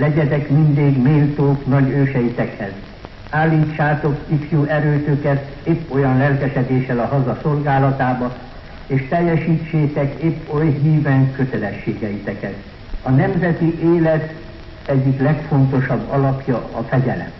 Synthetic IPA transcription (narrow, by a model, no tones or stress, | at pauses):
lɛɟɛt̪ɛkmind̪iːɡmeːlt̪oːknɒɟøːʃɛjit̪ɛkhɛz | aːlːiːt͡ʃːaːt̪o̞kifjuːʔɛɾøːt̪økɛt̪ | eːpːo̞jɒnlɛlkɛʃɛd̪eːʃɛlɒɦɒzɒso̞lɡaːlɒt̪aːbɒ | eːʃt̪ɛjːɛʃiːt͡ʃːeːt̪ɛkeːpːojɦiːvɛŋkøt̪ɛlɛʃːeːɡɛjit̪ɛkɛt̪ | ɒnɛmzɛt̪iʔeːlɛt̪ | ɛɟːiklɛkfo̞nt̪o̞ʃɒbːɒlɒpjɒɒfɛɟɛlɛ̰m